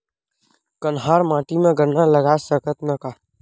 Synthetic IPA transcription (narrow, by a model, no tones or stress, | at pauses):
kənɦaːɾmãːʈimẽɡəɾnaləɡasəkʰət̪nəkaː